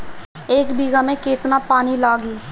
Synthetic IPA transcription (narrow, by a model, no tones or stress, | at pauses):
eːkbiːɡaːmẽːkeːt̪naːpaːniːlaːɡiː